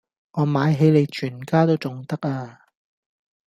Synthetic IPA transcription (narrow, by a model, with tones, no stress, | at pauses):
ŋɔː˨˧maː˨˧jɦe˨˧jle˨˧jt͡ʃʰyː˨˩nkaː˥t̪o˥wt͡sʊ˨ŋt̪ɐ˥k̚aː˧